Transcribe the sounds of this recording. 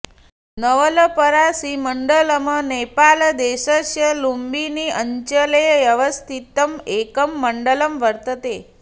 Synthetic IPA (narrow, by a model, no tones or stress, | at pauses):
nəʋələpəɾasiməɳɖələmənepald̪eʃəʃjəlumbiniʔəɲt͡ʃəlejjəʋəst̪ʰit̪əmekəmːəɳɖələmʋəɾt̪ət̪e